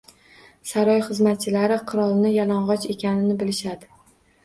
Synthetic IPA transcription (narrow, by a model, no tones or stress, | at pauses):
saɾɒjχɨzmat̪̚t͡ʃʰɪlaɾɪqʰɨɾɒlˠnɪjalˠɒɴʁɒt͡ʃe̞kʲanɪnɪbɪlɪʃad̪ɪ